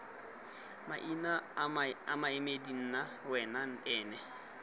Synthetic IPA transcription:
ma̰ʔinaamaɪmedin̩na | wɛnan̩ɛːnɛ

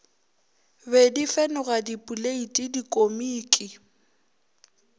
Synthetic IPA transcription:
bɛdifɛnʊɣadipʼuleitʼidikʼomiːkʼɪ

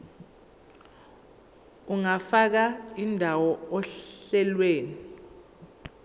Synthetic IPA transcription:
uŋafak̬aindʱawɔɔɬɛlweːni

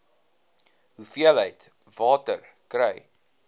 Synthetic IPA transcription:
ɦufiələjt | vɑːtər | krɛj

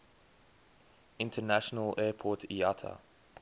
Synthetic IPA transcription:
ɪ̃ntʰənæʃənəlɛːpʰɔtʰḭatʰə̰

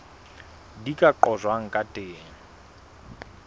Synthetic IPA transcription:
dikʼaǃɔzwaŋ̩kʼatʼeːŋ̩

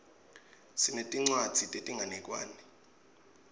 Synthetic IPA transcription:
sinetʼiŋ͡ǀwad̥z̥ʱitʼetʼiŋɡʱanɛkʼwa̰ːnɛ

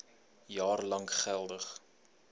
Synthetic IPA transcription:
jɑːrlɐŋχælˠdəχ

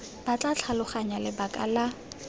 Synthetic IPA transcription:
b̥at͡ɬʼat͡ɬʰalʊχaɲalɪbakʼa̰la

